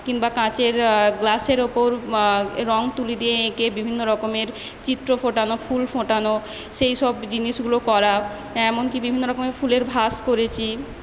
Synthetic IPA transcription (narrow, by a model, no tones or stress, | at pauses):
kiŋbakãt͡ɕeɾɡlaseɾopoɾɾɔŋt̪ulid̪ijeekebibʱinːoɾɔkomeɾ | t͡ɕit̪ːɾofoʈanofulfoʈano | ʃejʃɔbd͡ʑiniʃɡulokɔɾa | ɛmonkibibʱinːoɾɔkomeɾfʰuleɾbʱaskoɾet͡ɕʰi